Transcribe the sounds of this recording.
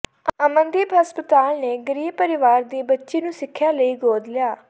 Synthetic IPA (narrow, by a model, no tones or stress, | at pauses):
əmə̃nd̪iːbɦəspət̪aːlneːɡəɾiːb̚pəɾɪʋaːɾd̪iːbətːʃiːnũːsɪkʰːjaːləiːɡoːd̪lɪjaː